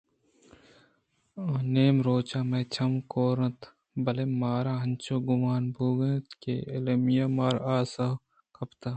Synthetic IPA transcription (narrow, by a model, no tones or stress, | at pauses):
aneːmɾoːt͡ʃaːmeːt͡ʃʰɐmkoːɾɐ̃t̪ | bɐlemaːɾaːɦɐnt͡ʃoːɡʊmaːnbʱuːɡent̪keːɪlemijaːmaːɾaːsɐ | kʰɐpt̪aː